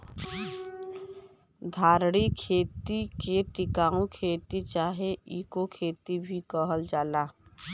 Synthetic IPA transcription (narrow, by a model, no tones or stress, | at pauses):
d̪ʱaːɾɽikʰeːt̪ikeʈɪkaːõkʰeːt̪it͡ʃaːɦeiːkokʰeːt̪ibʱikəɦəld͡ʒaːlaː